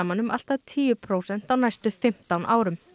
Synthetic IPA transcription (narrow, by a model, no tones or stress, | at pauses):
manʏmʔal̥t̪at̪ʰiːjʏpʰɾowsɛn̥t̪awnajst̪ʏfɪm̥t̪anʔaːwɾʏm